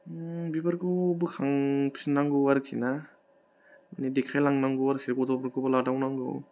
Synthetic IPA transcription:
bibaɾkɔbɯkʰaŋpʰi̥snaŋɡɯwaɾkʰina | manidekʰajlaŋnaŋɡɯwaɾkʰinakɔdɔbaɾkɔbaladawnaŋɡɯ̰w

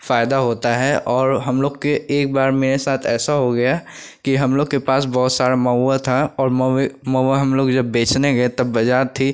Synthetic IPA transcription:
faːjd̪aɦoːt̪aɦɛʔɔːɾɦɐmloːɡkeeːk̚baːɾmeːɾesaːt̪ʰɛːsaɦoɡɐja | kiɦɐmloːɡkepaːs̬bɔːʊt̪saːɾamɐʋat̪ʰaɔːɾmɐaɦɐmloːɡd͡ʒɐbːeːt͡ʃneɡet̪ɐbːɐd͡ʒaːɾt̪ʰi

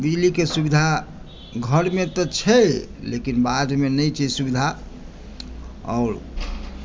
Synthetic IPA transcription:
bid͡ʒlikesubid̪ʱa | ɡʱəɾmet̪ɔt͡ʃʰɛlḛkinbad̪ʱmenəjt͡ʃʰɛsubid̪ʱa | ɔ̰ːɾ

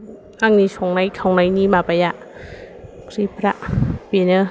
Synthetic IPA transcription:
ʔaŋnisʰoŋnajkʰawŋnajniːmapajaʔ | kʰɾipʰɾaʔpinə

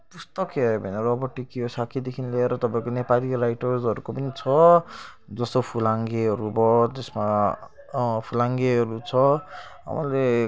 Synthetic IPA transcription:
p̪ust̪ʌkeʌbʱʌneɾʌbʌʈːikiɦosakʰid̪ekʰinileːɾʌt̪ʌpãĩkonepaliɾajʈʌrd͡zʌɾukopʌnit͡sʰʌ | d͡zʌst̪opʰulaŋɡeɦʌɾubʌt̪esma | pʰulaŋɡeʌɾut͡sʰʌɦa̰mʌ̰le

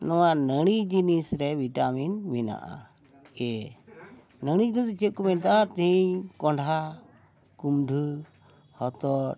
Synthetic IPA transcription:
nɔwaʔnəɽ̃id͡ʒinisɾɛbʱiʈaminmina̰ʔa̰ | ɛ | nəɽ̃id͡ʒnist͡ʃət̪̚kumɛnt̪at̪iɲkɔɳɖʱa | kumɖʱu | hɔt̪ɔ

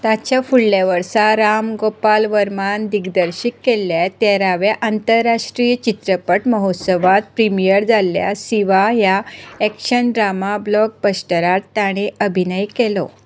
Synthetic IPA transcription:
t̪at͡ɕjafuɽlaʋəɾsaɾamɡopalʋəɾmand̪iɡd̪əɾɕikːelːjat̪ɛɾaʋjaʔant̪əɾːaʂʈɾijət͡ɕit̪ɾəpəʈməɦot̪səʋat̪̚pɾimijəɾd͡zalja̰siʋajaɛkɕəɳɖɾamablɔk̚bəsʈəɾaɾt̪aɽ̃eʔəbʱinəjkelɔ̰

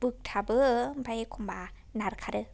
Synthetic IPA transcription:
bɯk̚t̪ʰabɯmpʰajkʰumba | naɾkʰaɾɯ

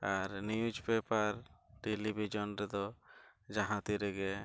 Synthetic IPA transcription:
aɾnijud͡ʒpɛpaɾʈelibʱid͡ʒɔnɾɛd̪ɔ | d͡ʒaɦãt̪iɾɛɡɛ

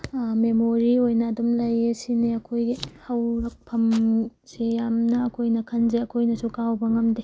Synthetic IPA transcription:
memoɾiojnɐːdumlɐjesineɐkʰojɡihɐwɾɐk̚pʰɐmsejamnɐːkʰojnɐkʰɐnzeɐkʰojnɐsukawbɐŋɐmde

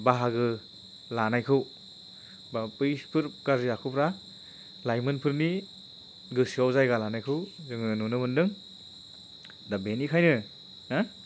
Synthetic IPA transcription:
baɦaɡɯ | lanajkʰɯw | bapɯjspʰɯɾkaɾziakʰupʰɾa | lajmɯnpʰɯɾni | ɡɯsiawzajɡalanajkʰɯwzɯŋɯnunɯbɯndɯŋ | dabenikʰajnɯ | a

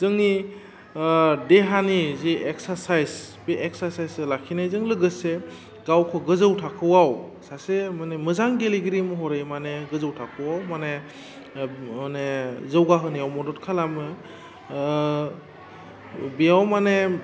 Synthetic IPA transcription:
zɯŋni | deɦanizeʔek̚saɾsajzbeʔeksaɾsajslakʰinajzɯŋlɯɡɯse | ɡawkʰɔɡɯzɯwtʰakʰɯwawsasemanemɯzaŋɡeliɡɾimɯɦɔɾejmaneɡɯzɯwtʰakʰɯwawmane | manezɯwɡaɦɯnijawmɔdɔtkʰalamɯ | bijawmane

